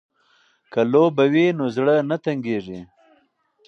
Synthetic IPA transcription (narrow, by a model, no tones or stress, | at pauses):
kalobawinozɽənat̪aŋɡeʐi